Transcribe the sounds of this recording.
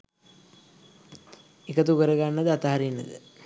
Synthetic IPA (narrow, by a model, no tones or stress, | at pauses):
ekət̪ukəɾəɡanːəd̪əat̪aɦaɾinːə̰d̪ə̰